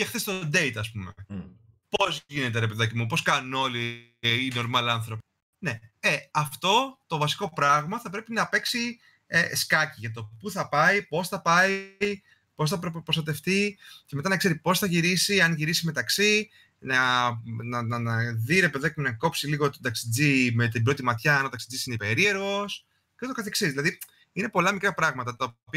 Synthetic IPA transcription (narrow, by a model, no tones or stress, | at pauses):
exθest̪od̪e̞it̪ɐspume | po̞zʝine̞t̪̬eɾepeðɐcimupo̞skɐnuno̞liː | no̞ɾmɐlɐnθɾo̞pi̥ | ne̞eɐft̪o̞t̪o̞vɐsi̥ko̞pɾɐɣmɐθɐpɾe̞pinɐpe̞ksi | eskɐciʝɐt̪o̞puθɐpɐipo̞sθɐpɐii | po̞s̬θɐpɾpɾost̪ɐt̪e̞ft̪iceme̞t̪ɐnɐkse̞ɾipo̞sθɐʝiɾisiɐnʝiɾisime̞t̪ɐksi | nɐnɐnɐnɐðiɾepeðoekmenɐko̞psiliɣo̞t̪od̪ɐksid͡zimet̪ibɾo̞t̪imɐt̪çɐɐnot̪ɐksid͡zisineipe̞ɾie̞ɾɣo̞s | ceot̪okɐθe̞ksizðilɐði | ine̞po̞lɐmikɾɐpɾɐɣmɐt̪ɐt̪ɐopi